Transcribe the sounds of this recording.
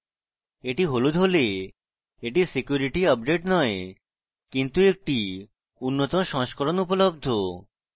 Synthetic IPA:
eʈiɦolud̪ʱɦole | eʈisekjuɾiʈiɔb̚d͡ʑeʈnɔe | kint̪uek̚ʈi | unːot̪oʃɔŋʃkoɾonupolob̚d̪ʱo

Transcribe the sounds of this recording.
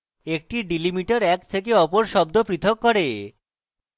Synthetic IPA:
ek̚ʈiɖilimiʈaɾɛk̚t̪ʰek̬eɔpoɾʃɔb̚d̪opɾit̪ʰokːɔɾe

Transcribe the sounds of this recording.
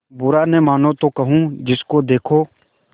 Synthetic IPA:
bʊɾanɛmaːnõt̪okɐɦũd͡ʒɪskod̪eːkʰoː

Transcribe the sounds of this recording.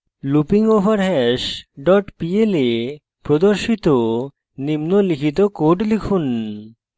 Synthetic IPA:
lupiŋobaɾɦɛʃɖɔʈpiele | pɾod̪oɾʃit̪o | nimnolikʰit̪̬okoɖlikʰun

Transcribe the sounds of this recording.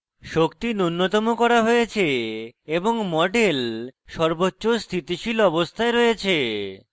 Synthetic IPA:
ʃokt̪inunːot̪omokɔɾaɦojet͡ɕʰeeboŋmɔɖelʃɔɾbotːɕost̪ʰit̪iʃilɔbost̪ʰaeɾɔjet͡ɕʰe

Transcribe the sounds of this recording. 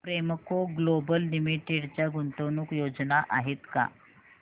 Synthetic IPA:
pɾeməkoɡlobəlːimiʈeɽt͡ɕjaɡʱunt̪onuːkjod͡znaʔaɦet̪ka̰

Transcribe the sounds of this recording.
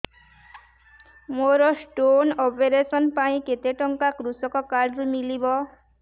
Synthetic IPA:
moɾɔsʈonɔpeɾesɔnpaĩket̪eʈɔŋkakɾusɔkɔkaɖɾumilibɔ

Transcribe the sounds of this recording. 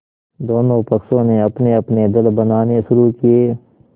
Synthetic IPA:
d̪oːnõpɐksõneɐpneɐpned̪ɐlbənaːnesʊɾuːkieː

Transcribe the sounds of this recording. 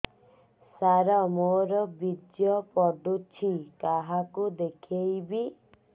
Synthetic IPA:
saɾɔmoɾɔbid̪jɔpɔɖut͡ʃʰikaɦakud̪ekʰejbi

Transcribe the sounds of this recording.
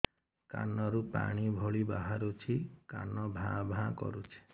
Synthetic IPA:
ka̰nɔɾupa̰ɽ̃ibʱɔɭibaɦaɾut͡ʃʰika̰nɔbʱãbʱãkɔ̰ɾut͡ʃʰi̥

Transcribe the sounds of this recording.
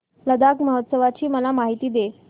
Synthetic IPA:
ləd̪akməɦət̪səʋat͡ɕiːməlamaɦit̪iːd̪e

